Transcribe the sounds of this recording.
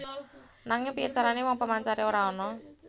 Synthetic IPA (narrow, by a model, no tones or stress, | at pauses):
naŋɪŋpiat͡ʃaɾanewɔŋpəmaɲt͡ʃaɾeoɾaɔnɔ